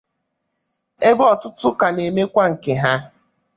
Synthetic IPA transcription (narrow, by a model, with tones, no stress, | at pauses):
e˦bɔ˨tʊ˦tʊ˦ka˨ne˨me˦kʷa˦ŋ̩˨ke˨ɦa˦